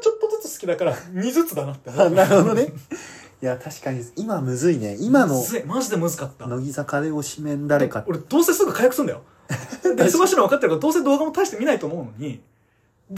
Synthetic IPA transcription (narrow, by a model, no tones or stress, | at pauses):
t͡ɕo̞t̪ːozot̪ːosɨ̥kʲid̪akaɾaɲ̟izɨt͡sɨd̪anat̪ːenaɾɯhod̪one | jat̪ʰaɕi̥kaɲ̟iimamɯ̟zɨineimamoemaʑid̪e̞mɯ̟zɨkat̪ːano̞ɡʲizakad̪e̞oɕimẽ̞nd̪aɾekaoɾed̪o̞ːse̞sɨɡɯ̟kʰajakɯ̟̥sɨ̃nd̪ajo | d̪eisoɡaɕinaβakat̪ːeɾɯ̟ɡad̪oːse̞d̪oːɡamo̞t̪aiɕi̥t̪eminait̪oːmo̞ɯ̟no̞ɲ̟i | d